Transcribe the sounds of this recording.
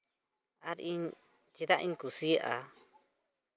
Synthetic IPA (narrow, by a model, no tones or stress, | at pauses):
aɾiɲ | d͡ʒɛd̪aʔiɲkusiʔa